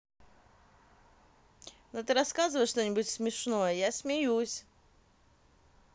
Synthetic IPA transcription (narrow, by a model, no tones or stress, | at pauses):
not̪ɨɾɐskazɨvəjʂt̪o̞nʲɪbʊtʲsmʲɪʂno̞jəjasmʲɪjusʲ